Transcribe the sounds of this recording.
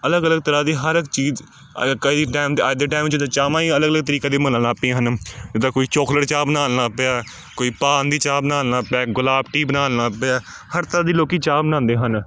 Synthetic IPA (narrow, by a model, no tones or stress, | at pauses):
ələɡələɡ̚t̪əɾãːd̪iːɦəɾəkt͡ʃiːz | kəiːʈaːɪmt̪eaːd̪əɾʈaːɪmt͡ʃəd̪aːt͡ʃaːmãːiːələɡələɡt̪əɾiːkãːd̪eːmənənaːpẽːɦənd͡ʒɪd̪aːkoːiːt͡ʃɔːkləɽt͡ʃaːbənaːlnãːpɪaː | koːiːpaːnd̪iːt͡ʃaːbənaːlnãːpaːɡʊlaːbʈiːbənaːlnaːpɪaː | həɾt̪əɾaːd̪iːloːkiːt͡ʃaːbənãːnd̪eːɦən